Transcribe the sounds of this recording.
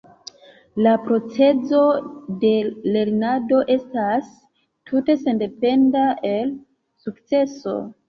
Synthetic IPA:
lapɾo̞t͡se̞zo̞de̞le̞ɾnado̞ʔe̞stas | tʰute̞se̞nde̞pe̞ndae̞l | sukt͡se̞so̞̰

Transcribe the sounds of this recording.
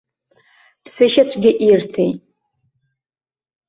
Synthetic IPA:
pʰsɨʃat͡ɕʷʰʼɡʲɪʔirtʰejʼ

